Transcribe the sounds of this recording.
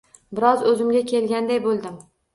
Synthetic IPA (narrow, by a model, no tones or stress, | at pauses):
bɪɾɒzɵzɪmɡʲakʲʰe̞lɡʲand̪ajbolˠd̪ɪm